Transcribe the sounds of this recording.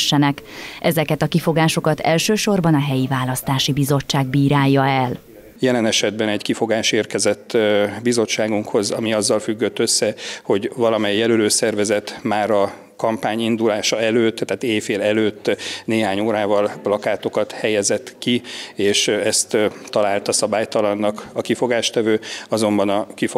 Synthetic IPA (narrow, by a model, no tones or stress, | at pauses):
ʃːɛnɛkʔɛzɛkɛt̪ɒkifo̞ɡaːʃo̞kɒt̪ɛ̰lʃøːʃo̞rbɒnɒɦɛjivaːlɒst̪aːʃibizo̞t͡ʃːaːɡ̚biːɾaːjːɒɛl | jɛlɛnɛʃɛd̪bɛnɛɟkifo̞ɡaːʃeːrkɛzɛt̪ːbizo̞t͡ʃːaːɡuŋkho̞zɒmiɒzːɒlfyɡːøt̪ːøsːɛho̞ɟvɒlɒmɛjːɛløløːsɛrvɛzɛt̪maːɾɒ | kɒmpaːɲind̪ulaːʃɒɛløːt̪ːɛːt̪eːfeːlɛløːt̪ːneːɦaːɲoːɾaːvɒlplɒkaːt̪o̞kɒt̪hɛjɛzɛt̪kieːʃɛst̪t̪ːɒlaːlt̪ɒsɒbaːjt̪ɒlɒnːɒkɒkifo̞ɡaːʃt̪ɛvøːɒzo̞mbɒnɒkifo